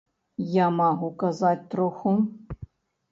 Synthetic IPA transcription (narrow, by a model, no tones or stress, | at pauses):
jamaɣukazat̚ʲt̪roxu